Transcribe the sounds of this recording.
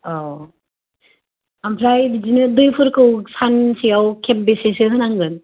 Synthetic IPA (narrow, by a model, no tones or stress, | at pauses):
ɔ | ampʰɾajbid͡ʒinɯdɯjpʰɯɾkɯwsʰansʰijawkʰembesesɯɦɯnaŋɡɯn